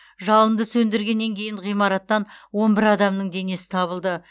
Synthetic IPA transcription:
ʒɑlˠənd̪əsɵnd̪ɪɾɡʲe̞nːe̞ŋkʲʰe̞jɪɴʁijmɑɾɑt̪ːɑnwo̞nbɪɾɑd̪ɑmnəŋd̪e̞ne̞sɪ̥t̪ʰɑβəlˠd̪ə

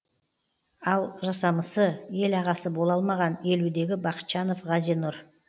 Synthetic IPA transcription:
ɑlˠʒɑsɑməsəje̞lɑʁɑsəbo̞lˠɑlˠmɑʁɑne̞lud̪e̞ɡʲɪbɑqə̥t̪ʃɑno̞fʁɑzijnʊɾ

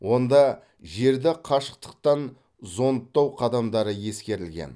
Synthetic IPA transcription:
wo̞nd̪ɑ | ʒe̞ɾd̪ɪqʰɑʃə̥q̚t̪ə̥q̚t̪ɑn | zo̞nt̪ːɑwqʰɑd̪ɑmd̪ɑɾəje̞skʲe̞ɾɪlɡʲḛn

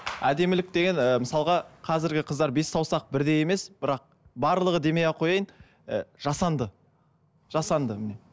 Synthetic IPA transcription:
æd̪e̞mɪlɪk̚t̪e̞ɡʲe̞nəməsɑlˠʁɑqʰɑzɪɾɡʲɪqʰəzd̪ɑɾbe̞sːɑwsɑq̚bɪɾd̪e̞je̞me̞sb̥ɪɾɑq̚ | bɑɾlˠəʁəd̪e̞me̞jɑqʰo̞jɑjən | ə̰ʒ̥ɑsɑnd̪ə | ʒɑsɑnd̪əmɪne

